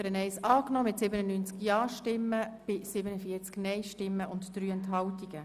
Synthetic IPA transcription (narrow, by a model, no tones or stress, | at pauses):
əɾənɛɪsɑːknɔːmɪtsɪbənənyːnt͡skjɑːʃtɪmːəb̥ɪsɪbənəfiət͡sknɛɪʃtɪmːəʊntd̥ɾyːɛntɦɑltiɡ̥ə